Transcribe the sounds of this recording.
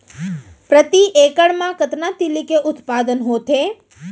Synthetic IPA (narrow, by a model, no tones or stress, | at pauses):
pɾət̪iʔekəɽmãkət̪nat̪ilikeʔʊt̪pad̪ənɦot̪ʰe